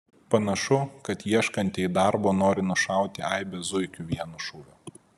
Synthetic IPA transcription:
pɐnɐʃʊkɐt̪jiɛʃkɐnʲt̪ʲɪɪd̪ɑˑɾboːnoːɾʲɪnʊʃɑˑʊt̪ʲɪɐɪbʲezʊɪkʲʊʋʲiɛnʊʃuːʋʲʊ

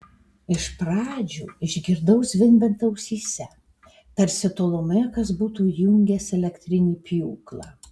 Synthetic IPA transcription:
ɪʃpɾɑːd͡ʒʲuːɪʒʲɡʲɪɾd̪ɐʊsʲʋʲɪnʲbʲɛnt̪ɐʊsʲiːsʲɛ | t̪ɐɾʲsʲɪt̪oːlˠomʲɛːkɐsbuːt̪uːjʊŋʲɡʲɛsɛlʲɛkt̪ʲɾʲɪnʲiːpʲjuːklˠɑː

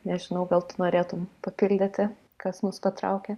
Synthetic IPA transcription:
nʲɛʒʲɪnɐʊɡɐlˠt̪ʊnoːɾʲeːt̪ʊmpɐpʲɪlʲd̪ʲɪt̪ʲɪ | kɐsnʊspɐt̪ɾɐʊkʲe

